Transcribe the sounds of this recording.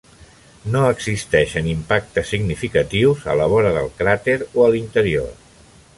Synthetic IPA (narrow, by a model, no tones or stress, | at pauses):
noəɡzist̪ɛʃənimpak̚t̪əsːiɡnifikət̪iwzə̰ləβ̞ɔɾəðə̰lˠkɾat̪eɾoəlint̪əɾio̰r